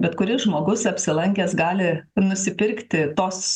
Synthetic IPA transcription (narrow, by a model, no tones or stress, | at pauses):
bʲɛt̪kʊɾʲɪsʒmoːɡʊsɐpʲsʲɪlˠɐŋʲkʲeːsɡɑːlʲɪnʊsʲɪpʲɪɾʲkt̪ʲɪt̪oːs